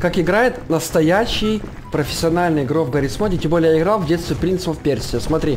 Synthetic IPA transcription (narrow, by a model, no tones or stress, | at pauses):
kakɪɡɾajɪt̪nəst̪ɐjæɕːɪj | pɾəfʲɪ̥sʲːɪɐnalʲnəjɡɾovɡɐɾʲit̪smodʲɪtʲembolʲjɪɡɾalˠvdʲet̪st̪vʲɪpɾʲint̪sɨpəfpʲersʲɪjəsmɐt̪ɾʲi